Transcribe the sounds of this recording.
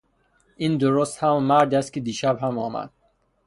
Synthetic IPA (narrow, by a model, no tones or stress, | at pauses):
ʔind̪oɾost̪hammːæɾd̪æst̪kʲʰid̪iːʃæbhæmɒːmæ̰d̪̥̚